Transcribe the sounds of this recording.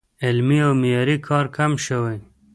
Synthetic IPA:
elmiawmijɑːɾikʰɑːɾkʰamʃəwej

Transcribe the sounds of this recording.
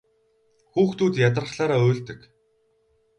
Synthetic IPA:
xuːxt̪uːt̪jat̪̬̆rə̆χɮaːɾaːɵːɮt̪ɘ̆k

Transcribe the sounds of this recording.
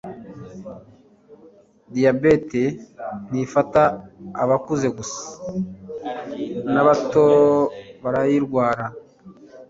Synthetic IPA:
dijabe̞te̞nifataːβakuze̞ɡusḁ | naβatoβaɾajiɾɡwaːɾa

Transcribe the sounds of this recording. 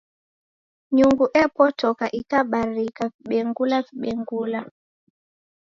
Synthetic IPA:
ɲuŋɡuʔɛpɔtɔkaʔikaɓaɾikaviɓɛŋɡulaviɓɛŋɡula

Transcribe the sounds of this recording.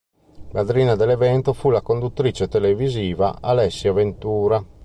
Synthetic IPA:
lad̪ɾiːnad̪elevɛnt̪ofulakond̪ut̪ːɾit͡ʃet̪eleviziːva̰alɛsːjavent̪uːɾa

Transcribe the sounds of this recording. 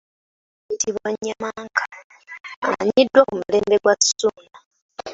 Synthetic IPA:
itiβoɲːamaŋkʰḁ | a̰ɲidːwokumuleːmbeɡwacu̥suna

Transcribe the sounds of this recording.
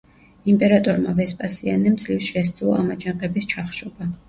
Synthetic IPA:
impʼɛɾat̪ʼɔɾma̰vɛspʼasianɛmt̪sʼlifsʃɛs̬t̪sʼlˠɔ̰amad͡ʒaŋqʼɛbist͡ʃʰaχʃɔba

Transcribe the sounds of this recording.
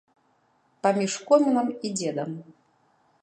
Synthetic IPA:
pɐmʲiʂkɔmʲinɐmid͡zʲɛd̪ɐm

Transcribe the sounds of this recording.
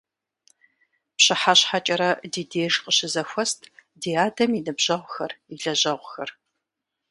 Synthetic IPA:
pɕɪħaɕħat͡ʃʼɐɾɐdiːdeːʒqəɕɪzɐxʷɔstʰʼdeːaːdɐminɨbʑ̥ɐʁʷxɐriɮɐʑɐʁʷxɐr

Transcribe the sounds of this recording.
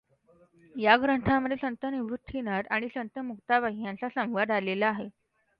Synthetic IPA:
jaɡɾəɳʈʰaməd̪ʱːesənt̪əniʋɾut̪ʰːinat̪aɽ̃isənt̪əmukt̪aʋaɦinjãnt͡sasə̃mʋad̪alelaːɦe

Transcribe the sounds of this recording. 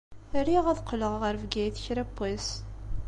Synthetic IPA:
əɾiʁæðqːələʁʁəɾvɡæjθçɾæpːæs

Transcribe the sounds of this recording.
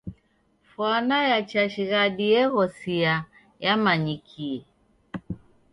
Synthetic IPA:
fwanajat͡ʃaʃiɣadiɛɣɔsia | jamaɲikʰiɛ

